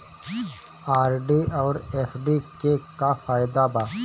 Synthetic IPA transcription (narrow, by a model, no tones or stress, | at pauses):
aːɾɖiɔːɾeːfɖikekafaːɪd̪abaː